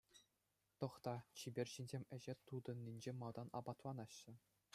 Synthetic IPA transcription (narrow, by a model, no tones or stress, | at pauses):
t̪ɤ̆χt̪ɑt͡ɕibʲerʲɕinʲzʲemʲɘ̆ʑet̪ud̪ɤ̆nʲːinʲd͡ʑemɑlˠd̪ɑnɑ̰bɑt̪ʋɑnɑɕːɘ̆